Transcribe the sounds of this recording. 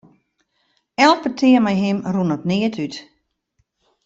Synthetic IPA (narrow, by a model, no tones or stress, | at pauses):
ɛlˠpətʰɪəmɛjɦɪmrunɔtnɪətʰyt